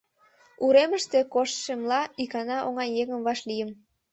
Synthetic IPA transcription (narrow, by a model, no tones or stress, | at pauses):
uɾeməʃt̪e̽koʃʃemlɑikɑnɑʔoŋɑjjːeŋə̆mβɑʃlijə̆m